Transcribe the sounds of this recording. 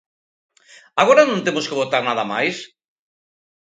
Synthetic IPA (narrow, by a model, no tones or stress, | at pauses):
aɣoɾanõnt̪emoskeβ̞ot̪aɾnaðamajs